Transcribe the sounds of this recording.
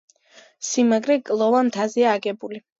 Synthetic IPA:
simaɡɾɛkʼlˠɔvamt̪ʰaziaːɡɛbuli

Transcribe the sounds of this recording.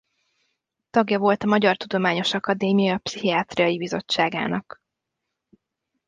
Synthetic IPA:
t̪ɒɡjɒvo̞lt̪ɒmɒɟɒrt̪ud̪o̞maːɲo̞ʃɒkɒd̪eːmijɒɒpsiɦiɒt̪rijɒjibizo̞t͡ʃːaːɡa̰ːnɒk

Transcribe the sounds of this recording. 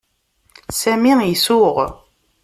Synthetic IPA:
sæmijisʊʁ

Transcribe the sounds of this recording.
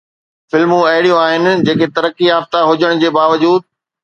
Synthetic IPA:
fɪlmũɐɦɪɽijũaːɦɪnɪ̆d͡ʑeːket̪ɐɾəkːiaːbt̪aɦʊd͡ʑəɽ̃d͡ʑeːbaːʋəd͡ʑuːd̪̚

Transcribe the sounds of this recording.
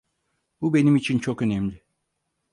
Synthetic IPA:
bube̞nimit͡ʃʰint͡ʃʰokø̞nɛmlʲɪ

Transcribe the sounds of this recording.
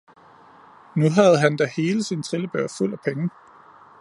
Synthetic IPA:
nuɦæð̞̩ˠɦænd̥æhe̝ːləsint͡sʰʁeləb̥øɐ̰ful̰æpʰeŋə

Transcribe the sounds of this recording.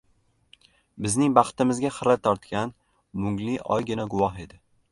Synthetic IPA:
bɪznɪŋbɑχt̪ɪmɪzɡʲaχɨɾat̪ʰɒɾt̪kʲan | mʊŋɡlɪʔɒ̰jɡʲɪnaɡʊwɒhe̞d̪ɪ

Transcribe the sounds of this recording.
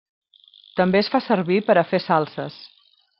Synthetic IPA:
t̪əmbeəsfasəɾβipəɾəfesalˠsəs

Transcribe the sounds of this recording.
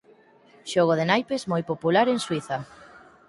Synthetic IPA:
ʃɔɣoðenajpezmojpopulaɾeŋswiθa

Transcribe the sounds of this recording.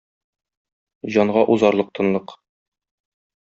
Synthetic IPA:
ʑɒɴʁɑʔuzɑɾlˠɤq̚t̪ʰɤ̆nlˠɤq

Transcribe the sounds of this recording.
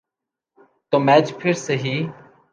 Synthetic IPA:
t̪oːmɛːd͡ʒpʰɪɾseɦiː

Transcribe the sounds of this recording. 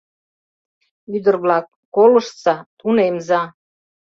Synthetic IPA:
yd̪ərβlɑk̚ːoləʃt͡sɑt̪unemzɑ

